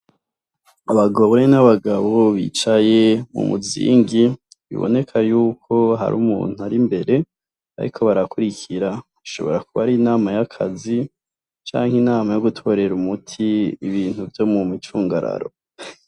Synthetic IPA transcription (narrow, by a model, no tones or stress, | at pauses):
aβaɡoβoɾenaβaɡaβoβḭt͡ʃaje̞mṵmuzḭːŋɡi | βḭβo̰ne̞kʰajuːkʰo̞ɦa̰ɾṵːmṵːn̥uaɾimbe̞ɾe̞ | a̰ɾḭkʰo̞βaɾakuɾikʰiɾaβiʃo̞̰βo̞ɾakuβaɾinaːmajakʰa̰zi | t͡ʃa̰ːŋhinaːmajo̞ɡutʰo̞ɾe̞ɾumutʰiiβiːn̥huvjo̞mumit͡ʃuːŋɡaɾa̰ɾo̞